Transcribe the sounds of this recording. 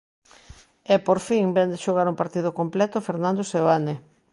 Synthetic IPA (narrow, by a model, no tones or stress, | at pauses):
ɛpoɾfiŋbɛnd̪ɪʃoɣaɾuŋpaɾt̪iðokomplɛt̪ʊfeɾnãnd̪oseβane